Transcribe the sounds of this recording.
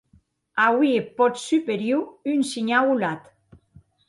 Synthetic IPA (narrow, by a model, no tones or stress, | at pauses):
awiepɔt̪sypeɾjuynsiɲawulat̪